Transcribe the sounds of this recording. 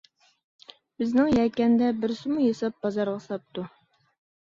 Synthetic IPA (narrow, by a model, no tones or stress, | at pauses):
b̥ɪznɪŋjɛkʲːɛnd̪ɛbɪɾsɪmujɑsɑp̚bɑzɑɾʁɑsɑp̚t̪u